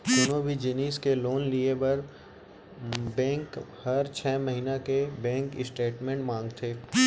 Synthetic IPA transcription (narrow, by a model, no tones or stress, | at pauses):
ʊnõbʱid͡ʒɪniːskeloːnliebɐɾ | bɛ̃ːŋkhɐɾt͡ʃʰɛːmɐɦiːnakebɛ̃ːŋkɪsʈeːʈmẽːɳʈmãːŋɡt̪ʰeː